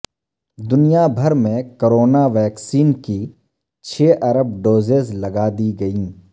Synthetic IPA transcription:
d̪ʊnijabʱɐɾmẽkoɾoːnaʋɛːksiːnki | t͡ʃʰeːʔɐɾəbɖoːzezlɐɡaːd̪iɡɐĩː

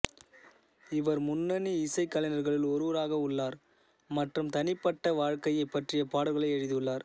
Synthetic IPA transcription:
ɪʋɐɾmʊnːɐniɪsɐɪkːɐlɐnɐɾɣɐɭɪlɔɾuːɾaːɣɐʊɭːaːɾ | mɐʈrɯmt̪ɐnɪpːɐʈːɐʋaːɻkɐjɐɪpːɐʈrɪjɐpaːɽɐlɣɐɭɐɪɛɻɯðɯɯɭːaːɾ

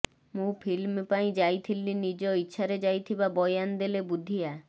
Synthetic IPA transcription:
mũpʰilmpaĩd͡ʒajt̪ʰilinid͡ʒɔitːʃʰaɾed͡ʒajt̪ʰibabɔjand̪elebud̪ʱija

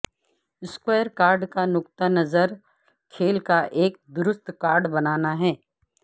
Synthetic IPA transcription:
ɪskweːəɾkaːɾɖkanʊkt̪anɐzəɾ | kʰeːlkaʔeːk̚d̪ʊɾʊst̪kaːɾɖbɐnaːnaɦɛː

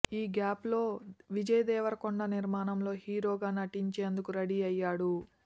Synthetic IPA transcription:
iːɡaːplo̞ːʋid͡ʒɐjɐd̪ɛːʋɐɾɐkoɳɖɐniɾmaːnɐmlo̞ːhiːɾo̞ːɡaːnɐʈiɲt͡ʃeːnd̪ukuɾɐɽiːɐjːaːɽu

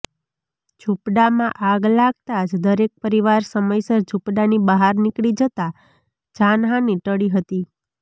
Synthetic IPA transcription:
d͡ʒʱupɖamãʔaɡlaɡ̚t̪ad͡ʒd̪əɾek̚pəɾiʋaɾsəməjsəɾd͡ʒʱupɖanibəɦaɾnikɭid͡ʒət̪a | d͡ʒanɦãniʈəɽiɦət̪i

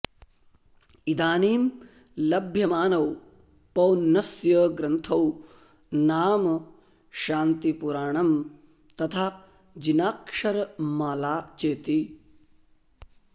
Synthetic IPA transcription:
id̪aːniːm | lɐbʱjɐmaːnɐw | pɐwnːɐsjɐɡɾɐnt̪ʰɐw | naːmɐ | ʃaːnt̪ipuɾaːɳɐm | t̪ɐt̪ʰa | d͡ʒinaːkʂɐɾɐmaːlaːt͡ʃeːt̪i

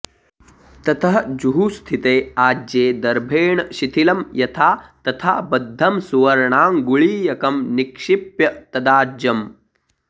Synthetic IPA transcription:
t̪ɐt̪ʰɐɦɐd͡ʒuɦust̪ʰit̪eːaːd͡ʒeːd̪ɐɾbʱeːɳɐʃit̪ʰilɐmjɐt̪ʰaːt̪ɐt̪ʰaːbɐd̪ʱːɐmsuʋɐɾɐɳaːmɡuɭiːjɐkɐmnikʂipjɐt̪ɐd̪aːd͡ʒjɐm

